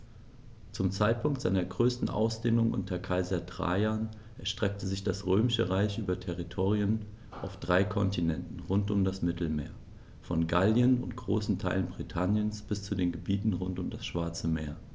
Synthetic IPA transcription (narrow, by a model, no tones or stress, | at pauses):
t͡sʊmt͡saɪt̚pʰʊŋk̚tz̥aɪnɐɡʁøːstn̩ʔa̰ʊsd̥eːnʊŋʔʊ̰ntʰɐkʰaɪzɐdʁ̥a̰ːaːn | ʔɛɐʃtʁ̥ɛk̚təzɪçd̥asʁøːmɪʃəʁaɪçʔyːbɐtʰɛʁitʰoːʁiən | ʔaʊfd̥ʁaɪkʰɔntʰinɛntn̩ʁʊntʊmdasmɪtl̩mḛːɐ | fɔnɡaljənʊ̰ntɡ̥ʁoːsn̩tʰaɪlənbʁitʰanjənsb̥ɪst͡sudeːnɡəbiːtn̩ʁʊntʊmdasʃv̥aɐt͡səmeːɐ